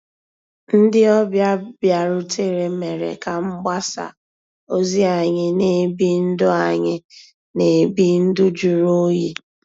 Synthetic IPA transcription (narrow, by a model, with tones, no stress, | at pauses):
n̩˦dɪ˦ɔ˦bja˦bja˨ɾʊ˦tʰe˦ɾe˨me˨ɾḛ˨ka˨m̩˦ɡ͡ba˦sa̰˨ | o˦zi˦a˨ɲɪ˦ne˨bi˦n̩˦dʊ˦a˨ɲɪ˦ | ne˨bi˦n̩˦dʊ˦d͡ʒu˨ɾo˦je˦